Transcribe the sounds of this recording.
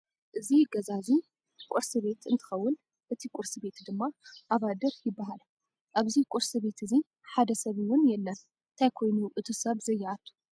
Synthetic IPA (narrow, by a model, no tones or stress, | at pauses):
ʔɨziɡɐzazi | kʼuɾsɨβe̞t̪ɨnt̪ʰɨ̥xɐwːʊn | ʔɨt̪ʰikʷʼʊɾsibe̞t̪d̪ɨmːaʔaβad̪ɐɾjɪbːaɦal | ʔaβzikʷʼuɾsɨβe̞t̪ʰɨzi | ħad̪ɐsɐβiwʊnjɛlːɐn | ɨnt̪ʰajkʰo̞jnuʔɨt̪ʰusɐβzɐjːaʔat̪ʰːu̥